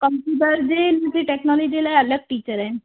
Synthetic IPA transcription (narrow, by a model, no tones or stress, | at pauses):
kəmpjuːʈəɾd̪eːnt̪iːʈɛːknɔːld͡ʒid̪eːlajələk̚ʈiːt͡ʃəɾɛː